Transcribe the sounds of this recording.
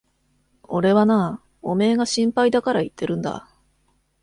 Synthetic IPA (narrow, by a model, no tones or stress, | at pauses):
o̞ɾe̞βana | o̞me̞ːɡaɕĩmpaid̪akaɾait̪ːe̞ɾɯ̟̃nd̪a̰